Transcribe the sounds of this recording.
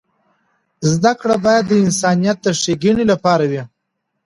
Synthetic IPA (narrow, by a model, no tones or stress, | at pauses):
zd̪akɽabɑjad̪ːəɪnsɑnijat̪̚d̪əʂeɡiɳilapɑɾawi